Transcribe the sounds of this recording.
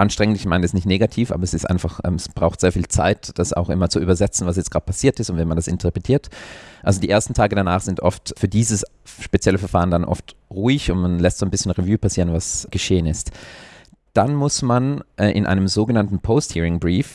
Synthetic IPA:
ʔanʃtʁ̥ɛŋəntɪçmaɪnɛsnɪçtneːɡatʰiːfʔa̰bɐɛsɪstʔa̰ɪnfaχʔɛ̰ːmɛsb̥ʁaʊxtz̥eːɐfiːlt͡sa̰ɪtd̥asa̰ʊxʔɪ̰mɐt͡suʔyːbɐzɛt͡sn̩vas̬jɛt͡stɡ̥ʁaːt̚pʰasiːɐtɪstʊntvɛnmandasɪ̰ntʰəɐpʁ̥etʰiːɐtʔalzodiːʔeːɐstn̩tʰaːɡədanaːχz̥ɪntʔɔftfyːɐdiːzəs | ʃpet͡sjɛləfɛɐfaːʁəndanʔɔ̰ftʁuɪçʊntmanlɛstz̥oːnbɪsçənʁevyːpʰasiːʁənvasɡ̥əʃeːənɪst | d̥anmʊsmanʔʔɪ̰nʔa̰ɪnəmzoːɡənantn̩pʰoʊsthiːʁɪŋbʁiːf

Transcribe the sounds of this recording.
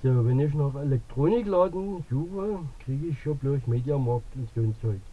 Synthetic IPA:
soːʋɛnɪç̬nɔχelɛk̚tʁ̥oːnɪklɑːdn̩suːvəkʁ̥iːɡɪçʃoblʊɐçmeːdjamɑktʊnsoːnt͡sɔɪk

